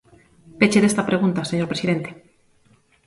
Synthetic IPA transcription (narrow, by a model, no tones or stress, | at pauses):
pet͡ʃeðest̪apɾe̞ɣunt̪aseɲo̞ɾpɾesiðe̞nt̪e̥